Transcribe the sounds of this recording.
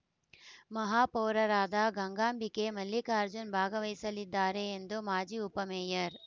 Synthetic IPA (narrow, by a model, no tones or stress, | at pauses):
mɐɦaːpoːɾɐɾaːd̪aɡɐŋɡaːmbikemɐlːikaːɾd͡ʒunbʱaːɡɐʋɐjsɐlid̪ːaːɾeːnd̪umaːd͡ʒiːupɐmeːjɐɾ